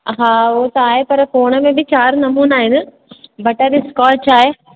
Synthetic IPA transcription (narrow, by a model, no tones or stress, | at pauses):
ɦãːoːt̪ɐaːɦepɐɾfoːɽ̃əmẽbʱɪt͡ɕaːɾnɐmuːnaːɦɪnɪ̆ | bʱɐʈəɾiskɔːt͡ʃaːɦeː